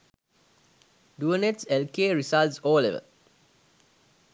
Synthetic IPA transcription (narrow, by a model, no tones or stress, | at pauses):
ɖuəneʈselkeːɾisalsoːəlḛʋə̰l